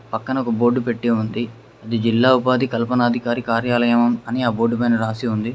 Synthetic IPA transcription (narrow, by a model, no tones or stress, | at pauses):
pɐkːɐnɐɔkɐboːɾɖːupe̞ʈːeːund̪i | ɐd̪id͡ʒilːaːupaːd̪ʱikɐlpɐnaːd̪ʱikaːɾikaːɾjaːlɐjɐmɐmɐniaːbo̞ːɖːupɐjnɐɾaːsiund̪i